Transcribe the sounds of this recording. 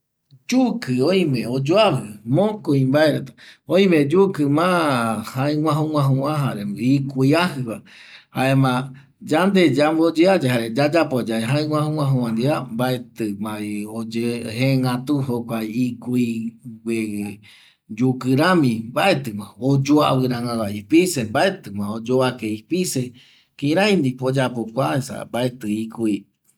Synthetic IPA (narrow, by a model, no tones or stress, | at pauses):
d͡ʒukɨõj̃mẽod͡ʒoahɨmõkuĩmbaeɾet̪ḁõĩmẽd͡ʒukɨmãhaẽwʷãɦũwʷãɦũãɦaɾeikuiaɦɨβa | haemã | d͡ʒand̪ed͡ʒambod͡ʒead͡ʒeɦaɾed͡ʒad͡ʒapod͡ʒaeɦaẽwʷãhũŋʷãɦũãnd̪iambaet̪ɨmãiod͡ʒeɦeŋɡat̪uɦokʷaiikuiɡe | d͡ʒukɨɾãmĩbaet̪ɨmãod͡ʒoa̰βɨɾãŋãɡaipisembaet̪ɨmãod͡ʒoakeipise | kĩɾ̃ãj̃nd̪ipod͡ʒapokʷaesa̰mbaet̪ɨikui